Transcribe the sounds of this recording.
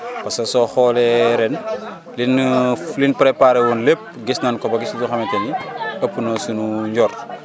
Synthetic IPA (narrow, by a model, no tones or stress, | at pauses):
pɐskɐsɔxɔːlɛɾɛn | linlinpɾepaɾɛwunlep̚ɡisnɐnkɔpɐɡisiduxɐmɛtɐniɐpːunosunuɲɟɔːrt